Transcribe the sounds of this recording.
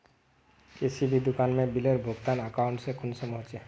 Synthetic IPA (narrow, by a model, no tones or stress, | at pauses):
esibʱid̪ʊkaːnmẽbɪləɾbʱoɡt̪anəkaʊɳʈsẽkʰʊnsəmoɦt͡ʃe